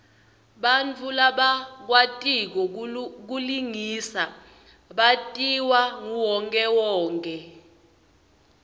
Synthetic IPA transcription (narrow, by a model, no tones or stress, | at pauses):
ɓant͡fʰulaɓak̬watʼik̬ɔk̬uliŋiːsa | ɓatʼiwaŋuwɔŋkʼɛwɔːŋkʼɛ